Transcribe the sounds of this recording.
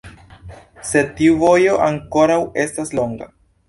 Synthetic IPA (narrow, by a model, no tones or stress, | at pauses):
se̞tiuvo̞jo̞ʔaŋko̞ɾawe̞staslo̞ŋɡa̰